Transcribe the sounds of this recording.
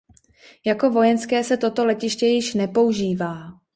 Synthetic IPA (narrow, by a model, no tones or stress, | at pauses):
jako̞vo̞jɛnskɛːsɛt̪o̞t̪o̞lɛcɪʃcɛjɪʃnɛpo̞uʒiːvaː